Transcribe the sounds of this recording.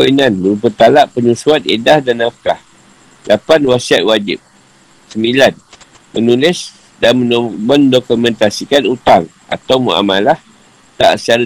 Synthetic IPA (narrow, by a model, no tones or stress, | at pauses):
inanbəupət̪alaʔpəɲusuat̪edahdanafkah | lapanwasiat̪̚wad͡ʒɪ̰p̚ | səmbilan | mənulɪs | danməməndokumɛ̃nt̪asikanut̪aŋ | ʔa̰t̪awmə̰a̰malah | t̪a̰ʔst͡ʃaɾa